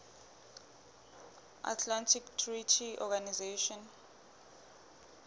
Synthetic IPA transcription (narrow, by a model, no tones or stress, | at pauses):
ʔa̰tʰlantʰiktʰritʰiʔɔɡanizeʃɔn